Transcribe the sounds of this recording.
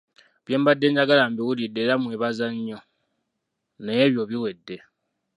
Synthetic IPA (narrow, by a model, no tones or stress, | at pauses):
βje̞ːmbadːe̞ːɲɟaɡalaːmbiwulidːeɾamweːβazaɲːo̞ | nejeβjo̞βiwe̞dːe̞